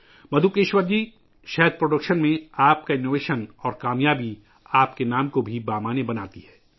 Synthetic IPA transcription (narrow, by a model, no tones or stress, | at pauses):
mɐd̪ʱukeːʃwəɾd͡ʒi | ʃɛɦəd̪̚pɾoːɖəkʃənmẽaːp̚kaɪnːoːʋeːʃənɔːɾkaːmjaːbi | aːpkenaːmkobʱibaːmaːnebɐnaːt̪iɦɛː